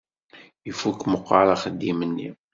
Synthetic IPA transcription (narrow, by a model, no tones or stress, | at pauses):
ifukməqːɑɾˤaχəd̪ːimənːḭ